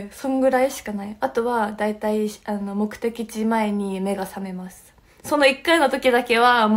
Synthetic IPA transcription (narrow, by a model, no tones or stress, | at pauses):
sõ̞ŋɡɯ̟ɾaiɕi̥kanaiat̪o̞βad̪ait̪aiano̞mo̞kɯ̟̥t̪e̞kʲit͡ɕimae̞ɲ̟ime̞ɡasame̞masɨ̥ | so̞no̞ikːaino̞t̪o̞kʲid̪ake̞βa